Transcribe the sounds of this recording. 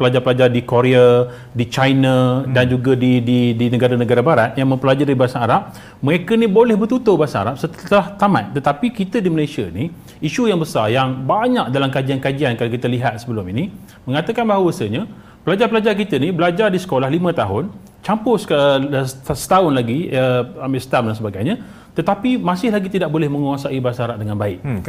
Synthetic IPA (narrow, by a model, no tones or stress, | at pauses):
pəlad͡ʒarpəlad͡ʒardikoɾea | dit͡ʃajnadand͡ʒuɡadididinə̃ɡaɾanəɡaɾabaɾat̪̚jaŋmə̃mpəlad͡ʒaɾibaasanaɾap̚ | məekənibolɛhbərt̪ut̪ʊbaasaa̰ɾap̚sət̪əlaht̪ama̰t̪̚t̪ət̪apikit̪ədiməlajsiani | iʃujaŋbəsarjaŋbaɲak̚dalamkad͡ʒiankad͡ʒiankalaokit̪əliɦat̪̚səbəlʊmini | məŋat̪əkanbaɦawəsəɲə̃ | pəlad͡ʒarpəlad͡ʒarkit̪ənibəlad͡ʒardisə̥kolahlimə̃t̪aɦʊn | t͡ʃampʊs | sə̥t̪aʊnlaɡiəamɪst̪am̚dansəbaɡajɲã | t̪ət̪apimãsɪhlaɡit̪idaʔ̚bolɛhmə̃ŋuasaibaasaaɾap̚dəŋanbaɪk̚